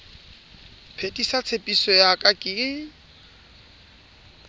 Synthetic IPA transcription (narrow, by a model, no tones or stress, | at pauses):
pʰetʼisat͡sʰepʼisɔjakʼakʼɪ